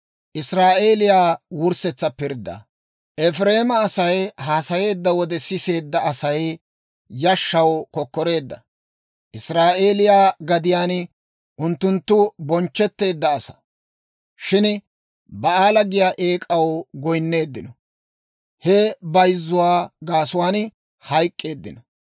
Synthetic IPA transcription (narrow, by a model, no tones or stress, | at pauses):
ʔɪsɾaːʔe̞ːlɪjaːwʊɾsɛt͡sːɐpɪɾd̪ːɐ̰ | ʔɛfɾe̞ːmɐːsɐjhaːsɐje̞ːd̪ːɐwɔd̪ɛsɪse̞ːd̪ːɐɐsɐj | jɐʃːɐwkɔkːɔɾe̞ːd̪ːɐ̰ | ʔɪsɾaːʔe̞ːlɪjaːɡɐd̪ɪjaːn | ʔʊnt̪ːʊnt̪ːʊbɔnt͡ʃːɛt̪ːe̞ːd̪ːɐːsɐ̥ | ʃɪn | bɐaːlɐɡɪjaːʔe̞ːkʼɐwɡɔjnːe̞ːd̪ːɪnɔ | hɛbɐjzːʊwaːɡaːsʊwaːn | hɐjkʼːe̞ːd̪ːɪ̰nɔ